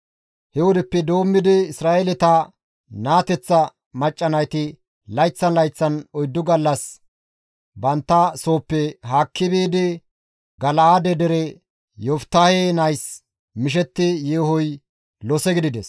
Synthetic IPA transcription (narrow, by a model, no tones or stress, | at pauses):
hɛwɔd̪ɛpːɛd̪o̞ːmːɪd̪ɪɪsɾaːʔelɛt̪ɐ | naːt̪ɛt͡sːɐ | mɐt͡ʃʼːɐnɐjt̪ɪ | lɐjt͡sːɐnlɐjt͡sːɐnɔjd̪ːʊɡɐlːɐs | bɐnt̪ːɐso̞ːpːɛɦaːkʰːɪbeːd̪ɪ | ɡɐlɐad̪ɛd̪ɛɾɛ | jɔft̪ːaːheːnɐjs | mɪʃ̬ɛt̪ːɪjeːhɔj | lɔsɛɡɪd̪ɪd̪ɛs